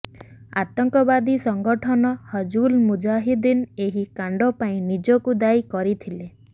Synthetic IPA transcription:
a̰t̪ɔŋkɔbad̪isɔŋɡɔʈʰɔnɔhɔd͡ʒulmud͡ʒaɦid̪ineɦikaɳɖɔpaĩnid͡ʒɔkud̪ajkɔɾit̪ʰile

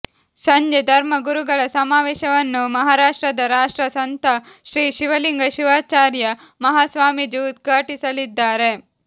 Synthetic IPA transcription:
sɐɲd͡ʒed̪ʱɐɾmɐɡuɾuɡɐɭɐsɐmaːʋɛːʃɐʋɐnːumɐɦaːɾaːʂʈɾɐd̪ɐɾaːʂʈɾɐsɐnt̪ʰɐʃɾiːʃiʋɐliŋɡɐʃiʋaːt͡ʃaːɾjɐ | mɐɦaːsʋaːmid͡ʒuːt̪̚ɡʱaːʈisɐlid̪ːaːɾe̞

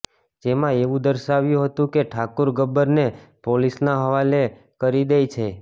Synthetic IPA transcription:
d͡ʒemãeʋũd̪əɾʃaʋjũɦət̪ũkeʈʰakuɾɡəbːəɾnepolisnaɦəʋale | kəɾid̪ejt͡ʃʰe

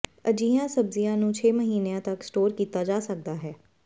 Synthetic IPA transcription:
əd͡ʒiːãːsəbzijãːnũːt͡ʃʰeːməɦiːnejãːt̪əksʈoːɾkiːt̪aːd͡ʒaːsək̚d̪aːɦɛː

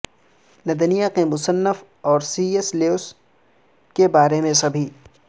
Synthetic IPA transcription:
nɐd̪ənijakemʊsənːəf | ɔːɾsiːesleoʊs | kebaːɾemẽsɐbʱiː

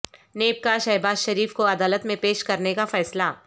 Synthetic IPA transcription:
neːp̚kaʃɛɦbaːzʃɐɾiːfkoɐd̪aːlət̪mẽpeːʃkɐɾnekafɛːsla

